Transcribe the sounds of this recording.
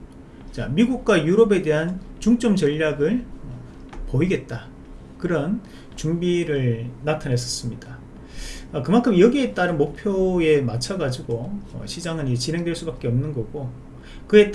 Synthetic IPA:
t͡ɕamiɡuk̚k͈wajuɾʌbe̞de̞ɦant͡ɕuŋt͡ɕ͈ʌmt͡ɕʌʎːaɡɯɭʌ | poiɡe̞t̚t͈a | kɯɾʌn | t͡ɕuŋbiɾɯɭnatʰanɦe̞s͈ʌ̥s͈ɯmɲid̥a | ʌkɯmankʰɯmjʌɡiet͈aɾɯnmok̚pʰjoe̞mat͡ɕʰaɡad͡ʑiɡoʌ̰ɕʰid͡ʑaŋɯniet͡ɕine̞ŋdweɭs͈ubak͈eʌmnɯnɡʌɡo | kɯe̞t

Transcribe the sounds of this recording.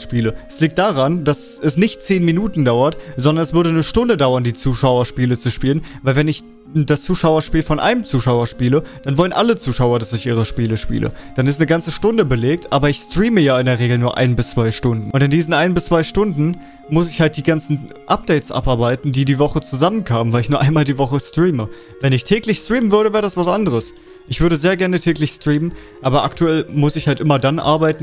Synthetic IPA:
ʃpiːləɛsliːk̚td̥aʁandasɛsnɪçtt͡seːnminuːtn̩daʊɐtz̥ɔndɐnɛsv̥ʏɐdənəʃtʊndədaʊɐndiːt͡suːʃaʊɐʃpiːlət͡suʃpiːlənvaɪlvɛnɪç | dast͡suːʃaʊɐʃpiːlfɔnʔa̰ɪnəmt͡suːʃaʊɐʃpiːləd̥anvɔlənʔa̰lət͡suːʃaʊɐdasɪçʔiːʁ̞əʃpiːləʃpḭːlʔə̰d̥anɪstnəɡant͡səʃtʊndəbəleːk̚tʔaːbɐɪçstʁ̥iːməjaːɪndeɐʁ̞eːɡl̩nuːɐʔa̰ɪnbɪst͡sv̥aɪʃtʊndn̩ʔʊntɪndiːzn̩ʔaɪnbɪst͡sv̥aɪʃtʊndn̩ | mʊsɪçhalt̚d̥iːɡant͡sn̩ | ʔap̚d̥ɛɪtsʔa̰pʔaɐbaɪtn̩diːdiːvɔχət͡suzamənkʰaːmənvaɪlɪçnuɐʔaɪnmaːldiːvɔχəstʁ̥iːmə | vɛnɪçtʰɛːklɪçstʁ̥iːmənvʏɐɾəvɛːʁədasv̥asʔandəʁ̞əs | ʔɪçv̥ʏɐɾəzeːɐɡɛɐnətʰɛːklɪçstʁ̥iːmən | ʔaːbɐʔaktuɛlmʊsɪçhaltʔɪmɐdanʔa̰ɐbaɪtn̩

